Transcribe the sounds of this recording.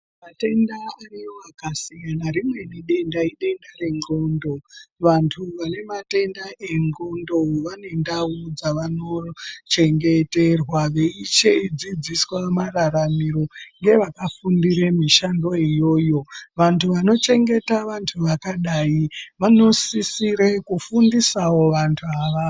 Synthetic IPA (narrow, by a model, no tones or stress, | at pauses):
mate̞ndaarijoakasijanaɾimwe̞niɗe̞ndaiɗe̞ndaɾe̞ŋɡo̞ːndo̞ʋantʰuʋane̞mate̞ndaʔe̞ŋɡo̞ndo̞ʋane̞ndaud͡zaʋano̞t͡ʃe̞ŋɡe̞terwaʋe̞it͡ʃeid͡zid͡ziswamaraɾamiɾo̞ŋɡe̞ʋakafundiɾemiʃando̞ijo̞ːjo̞ʋantʰuʋano̞t͡ʃe̞ŋɡe̞taʋantʰuʋakaɗaiʋano̞sisiɾekufundisawo̞ʋantʰuaʋa